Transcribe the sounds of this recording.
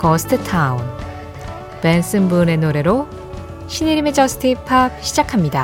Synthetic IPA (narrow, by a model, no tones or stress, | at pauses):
kʌsʰɯ̥tʰɯtʰaun | pens͈ɯmbune̞noɾe̞ɾo | ɕʰiniɾimed͡ʑʌsʰɯ̥tʰipʰap̚ɕʰid͡ʑakʰamɲida